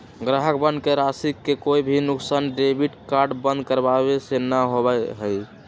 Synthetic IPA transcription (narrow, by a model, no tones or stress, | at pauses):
ɡɾaɦək̚bənd̪keɾasikːekoibʱinuksanɖebiʈkaɾɖbə̃nd̪̚kəɾbabesenəɦobɛɦəj